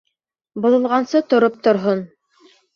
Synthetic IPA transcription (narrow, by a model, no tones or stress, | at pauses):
bŏðˠɤ̆lˠʁɑnsɤt̪ŏɾop̚t̪ŏɾɦon